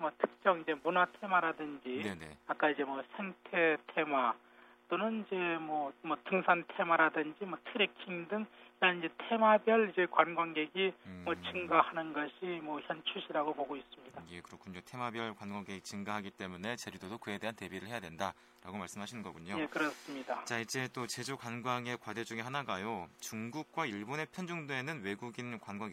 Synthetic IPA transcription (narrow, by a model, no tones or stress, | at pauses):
mwʌtʰɯ̥k̚t͡ɕ͈ʌŋid͡ʑe̞munatʰe̞maɾadɯnd͡ʑineak͈aid͡ʑe̞mwʌsʰeŋtʰe̞tʰe̞ma | d̥onɯnid͡ʑe̞mwʌmwʌtɯŋsʰantʰe̞maɾadɯnd͡ʑimwʌtʰɯɾikʰiŋdɯŋiɾʌnid͡ʑe̞tʰe̞mabjʌɭid͡ʑe̞kwanɡwanɡe̞ɡimwʌt͡ɕɯŋɡahanɯnɡʌɕʰimwʌçjʌnt͡ɕʰuɕʰiɾaɡopoɡois͈ɯmɲidaje̞kɯɾʌkʰuɲotʰe̞mabjʌɭkwanɡwaŋɡe̞ɡit͡ɕɯŋɡaɦaɡit͈e̞mune̞t͡ɕeɾidodokɯe̞de̞ɦante̞biɾɯɭhejadwe̞nda | ɾaɡomaɭs͈ɯmɦaɕʰinɯnɡʌ̰ɡuɲoje̞kɯɾʌs͈ɯmɲidat͡ɕaid͡ʑe̞t͈ot͡ɕe̞d͡ʑukwanɡwaŋe̞kwade̞d͡ʑuŋiɦanaɡajot͡ɕuŋɡuk̚k͈waiɭbone̞pʰjʌnd͡ʑuŋde̞nɯnwe̞ɡuɡinkwanɡwaŋ